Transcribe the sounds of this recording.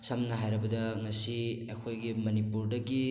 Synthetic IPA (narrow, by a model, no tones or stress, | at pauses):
sɐmnɐɦajɾɐbɐdɐŋɐsiekʰojɡimɐnipuɾdɐɡi